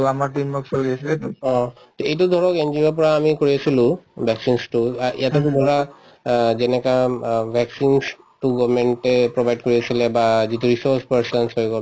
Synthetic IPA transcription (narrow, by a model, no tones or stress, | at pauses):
amaʈimːɔksolɡiesʰilet̪ɔ̃ | t̪oejt̬ud̪ʱɔɹɔkend͡ʑiiap̬ɔɹaːmikoɹiesʰilubʱɛksinsʈuaʔḭat̪okud̪ʱɔɾa | d͡ʒenekabʱɛksins | ʈuɡɔbmeɳʈepɹobʱajɖ̚koɹiet͡ʃʰilebad͡ʑit̪uɾisoɾspaɾsɔnsɦojɡɔ